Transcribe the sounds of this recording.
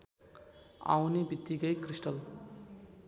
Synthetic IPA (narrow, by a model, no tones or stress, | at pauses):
a̰wnibit̪ːiɡəjkɾisʈəl